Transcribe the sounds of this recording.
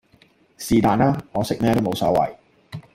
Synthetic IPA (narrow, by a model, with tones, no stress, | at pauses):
siː˨t̪aː˨˧naː˥ŋɔː˨˧sɪ˦˥k̚mɛː˥t̪o˥wmo˨˧wsɔ̰ː˨˥wɐ̰˨˩j